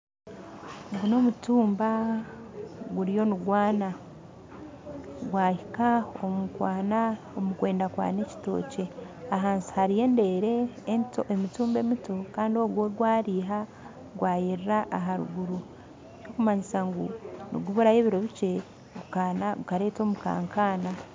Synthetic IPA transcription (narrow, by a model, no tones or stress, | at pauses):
ɡuno̞mutuːmba | ɡuɾijo̞nuɡwaːna | ɡwaːhikaomukwaːna | omukwe̞ːndakwa̰ːne̞ci̥to̞̰ːce̞aɦaːnsi̥haɾije̞ːnde̞ɾe̞ntoemituːmbe̞mito̞kaːndio̞ɡwoɡwaːɾiːɦa | ɡwaːjiɾɾaʔaɦaɾṵɡuɾu | jokumaɲisaŋɡunḭɡuβuɾajeːβiɾo̞βice̞ | ɡukanaɡukaɾe̞ːto̞ːmuka̰ːŋkaːna